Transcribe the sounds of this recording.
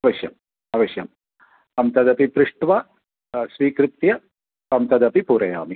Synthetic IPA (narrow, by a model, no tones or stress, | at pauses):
ɐʋɐʃjɐm | ɐʋɐʃjɐ̰m | ɐmt̪ɐd̪ɐpipɾɪʂʈʋɐ | sʋiːkɾɪt̪jɐ | ɐmt̪ɐd̪ɐpipuːɾɐja̰ːmi